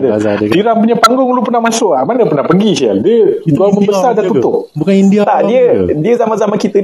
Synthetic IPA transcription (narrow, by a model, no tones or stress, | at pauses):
dədiɾampuɲapaŋɡɔŋlupənamasoamanəpənapəŋɡiʃia̰ldiəɡaməmbəsadaut̪obukaindiat̪adiədiəzamanzamankit̪ə